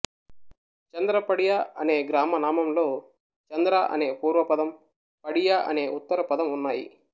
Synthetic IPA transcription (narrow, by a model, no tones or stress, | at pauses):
t͡ʃɐnd̪ɾɐpɐɽijaɐne̞ːɡɾaːmɐnaːmɐmlo̞ː | t͡ʃɐnd̪ɾaʔɐ̰ne̞ːpuːɾʋɐpɐd̪ɐm | pɐɽijaʔɐ̰ne̞ːʔut̪ːɐɾɐpɐd̪ɐmunːaːjḭ